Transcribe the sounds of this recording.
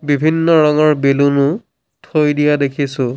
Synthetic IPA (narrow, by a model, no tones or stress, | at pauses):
bibʱinːɔɹɔŋɔɹbelunʊ | tʰojdijadekʰisʊ̃